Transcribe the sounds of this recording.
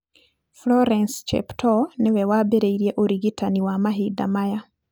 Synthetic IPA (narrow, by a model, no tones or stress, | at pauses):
floɾenst͡ʃḛptʰonewewaːbeɾeiɾjeʔoɾiɡitaniwamaɦida̰maja